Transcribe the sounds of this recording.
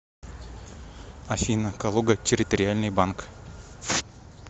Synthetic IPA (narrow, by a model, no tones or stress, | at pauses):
ɐfʲinəkalˠoɡətʲɪɾʲɪt̪əɾʲɪalʲnɨjbank